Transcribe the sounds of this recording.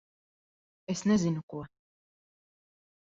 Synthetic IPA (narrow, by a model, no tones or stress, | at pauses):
ɛsnɛzinukuɔ